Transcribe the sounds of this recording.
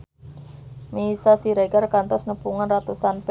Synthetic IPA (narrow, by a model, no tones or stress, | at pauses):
misasiɾeɡarkant̪ɔsnəpuŋanrat̪usanp